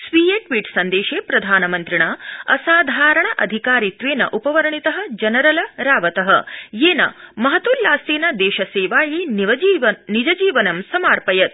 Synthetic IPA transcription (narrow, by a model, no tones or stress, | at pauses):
sʋiːjeːʈʋiːʈsɐnd̪eːʃeːpɾɐd̪ʱaːnɐmɐnt̪ɾiɳɐɐsaːd̪ʱaːɾɐɳɐʔɐd̪ʱikaːɾit̪ʋeːnɐ̰ʔupɐʋɐɾɐɳit̪ɐɦɐ̆d͡ʒɐnɐɾɐlɐɾaːʋɐt̪ɐɦɐjeːnɐ̰mɐɦɐt̪ullaːsiːnɐd̪eːʃɐseːʋaːjinʋɐinid͡ʒɐd͡ʒiːʋɐnɐmsɐmaːɾpɐjɐt̪̚